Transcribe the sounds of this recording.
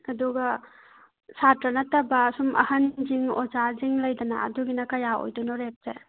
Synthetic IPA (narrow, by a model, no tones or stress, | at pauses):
ɐduɡɐ | satɾɐnɐtɐbɐːsumʔɐ̰hɐnd͡ʒiŋo̰zaziŋlɐjdɐna̰ɐ̰duɡinɐkɐjao̰jdunɔɾep̚ze